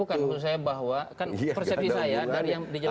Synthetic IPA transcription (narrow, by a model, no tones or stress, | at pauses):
ukanut̪us̬ajabaɦwakanpɛrsɛp̚sisajadaɾijaŋdid͡ʒa